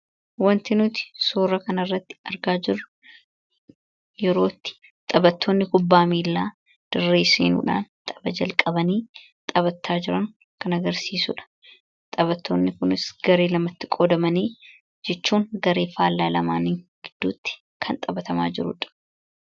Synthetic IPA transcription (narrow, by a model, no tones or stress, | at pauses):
wɐnt̪ɪnʊt̪ɪ̥soːrɐkɐnɐrːɐt̪ːɪ̥ɐɾɡaːd͡ʒɪrːʊ | jɛɾo̞ːt̪ːɪ̥ | t̪ʼɐbɐt̪ːoːnːɪkʊbːaːmiːlːaː | d̪̥ɪrːe̞ːsḛːnṵːᶑa̰ːnt̪ʼɐbɐd͡ʒɐlkʼɐbɐniː | t̪ʼɐβɐt̪ʰːaːd͡ʒɪɾɐŋ | kʰɐnɐɡɐɾsiːsʊ̰ᶑɐ̥ | t̪ʼɐbɐt̪ːo̞ːnːɪkʊnɪsɡ̥ɐɾe̞ːlɐmɐt̪ːɪkʼod̪ɐmɐniː | d͡ʒɛt͡ʃːuːŋɡɐɾe̞ːfaːlːaːlɐmaːniŋɡ̥ɪd̪ːuːt̪ːɪ̥ | kʰɐnt̪ʼɐbɐt̪ɐma̰ːd͡ʒɪɾʊ̰ᶑɐ̥